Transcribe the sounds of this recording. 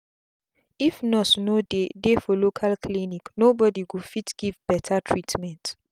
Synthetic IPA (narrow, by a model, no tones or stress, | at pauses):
ifnɔtnodedefɔlokʰalkliniknobɔdiwufitɡ̥ivbɛtʰatʰɹitʰmɛ̃nt